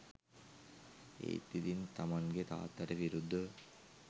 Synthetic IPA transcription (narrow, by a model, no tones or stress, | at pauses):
ḛːit̪ːit̪int̪ɐmɐŋɡet̪a̰ːt̪ːɐɾəʋiɾud̪ʱːə